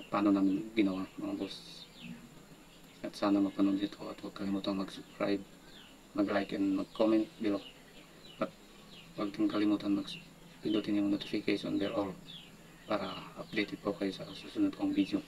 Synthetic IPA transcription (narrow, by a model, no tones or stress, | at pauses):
paːnonaːmɪnɡɪnowamɐŋabos | ʔɐt̪saːnɐmɐpɐnund̪it̪koɐt̪mɐɡ̚kɐlimuːt̪anmɐɡsʊbkɹa̰jb̚ | mɐɡlajkɛnmɐɡ̚komɛnt̪̚bilo | ɐt̪̚ | mɐɡ̚kɪŋkɐlimut̪anmɐɡ | pind̪ut̪injʊŋnot̪ɪfɪkɛʃo̰nd̪ɛɾol | paːɾɐɐp̚d̪ejt̪ɪd̪̚pokɐjosɐsusunʊd̪̚koɐŋvid̪jo